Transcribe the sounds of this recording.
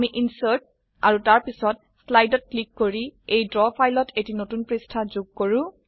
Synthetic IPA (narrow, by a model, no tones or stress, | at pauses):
miʔinsəɹt̚ | aɹutaɹpisɔt̚slajdɔt̚klikːoɹiejdɹɔpʰajlɔtʰetinotunpɹistʰazuɡ̚koɹʊ̃